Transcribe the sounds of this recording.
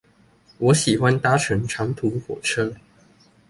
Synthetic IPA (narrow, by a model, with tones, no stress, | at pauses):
wɔ˨˥ɕi˨˩xwa˥˦nt̪a˥ʈ͡ʂʰə˧˥ŋʈ͡ʂʰɑ˧˥ŋt̪ʰu˨˥xwɔ̰˨˩ʈ͡ʂʰɤ˥